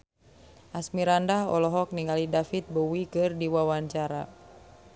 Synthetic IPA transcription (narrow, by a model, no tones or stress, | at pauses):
ʔasmiɾandahɔlɔɦɔk̚niŋalidafit̪̚bowikɨrdiwawaɲt͡ʃaɾa̰